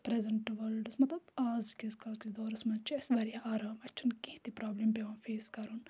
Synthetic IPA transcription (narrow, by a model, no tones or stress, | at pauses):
pɾɛzɐɳʈʋɐlɖsmɐt̪lɐbaːzkezkɐlked̪ɔːɾsmɐt͡ʃʰiɪsbɐɾijaaːɾaːmɐt͡ʃʰunkiht̪ipɾaːblempeʋãːfʰeːskɐɾun